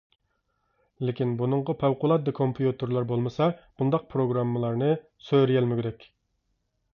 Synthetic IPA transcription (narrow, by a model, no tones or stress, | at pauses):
lɪkʲinbunɨɴʁɑpʰæwqʊlˠɑt̪̚d̪ɑkʰompʰjut̪ʰɨɾlˠɑɾbolˠmɨsɑb̥und̪ɑq̚pʰɾoɡɾɑmːəlˠɑɾnɨ | søɾɪjɛlmɪɡʲɪɾɛkʲ